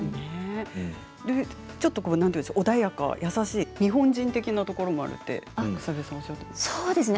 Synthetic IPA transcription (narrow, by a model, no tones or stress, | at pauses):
ne | d̪e | t͡ɕo̞t̪ːo̞konãnɯnd̪oʔod̪aijaka̰jʔasaɕiːɲ̟iɦõ̞ɲd͡ʑĩnt̪e̞kʲinat̪o̞ko̞ɾo̞mo̞a̰ɾɯ̟̰t̪ːe̞̰ɯ̥saβesaβaɕiat̪ːomsoːd̪e̞sɨne